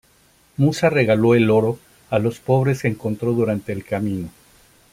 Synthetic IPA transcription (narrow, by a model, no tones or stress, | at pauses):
musare̞ɣalo̞e̞lo̞ɾo̞ | alo̞spo̞β̞ɾe̞skeːŋko̞nt̪ɾo̞ðuɾant̪e̞ːlkamĩno̞